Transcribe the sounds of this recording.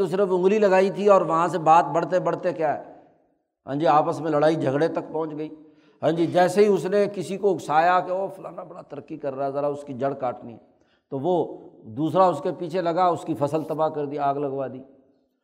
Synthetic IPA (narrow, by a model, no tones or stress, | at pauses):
t̪os̬ɪɾəfʊ̃ŋɡlilɐɡaːit̪ʰiɔːɾʋɐɦãs̬ebaːt̪̚bɐɽ̤t̪ebɐɽ̤t̪ekjaːɦɛː | ɦə̰̃ːnd͡ʒiaːpəsmẽlɐɽaːid͡ʒʱəɡɽet̪ɐkpɔ̃ɦʊ̃nt͡ʃɡəiː | ɦãːnd͡ʒid͡ʒɛːseɦiʊsnekɪsikoʊɡsaːjakeofʊlãːnabɐɽat̪əɾəkːikɐɾːaɛzəɾaʊskid͡ʒəɽkaːʈnḭɛ̰ː | t̪oʋod̪uːsɾaʊskepiːt͡ʃʰelɐɡaʊskifʰɐsəlt̪ɐbakɐɾd̪iaːɡlɐɡʋaːd̪iː